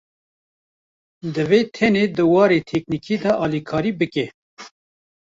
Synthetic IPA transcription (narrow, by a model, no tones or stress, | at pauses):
d̪ɨveːt̪ʰɛneːd̪ɨwɑːɾeːt̪ʰɛk̚nikʰiːd̪ɑʔɑːlikʰɑːɾiːbɨkɛ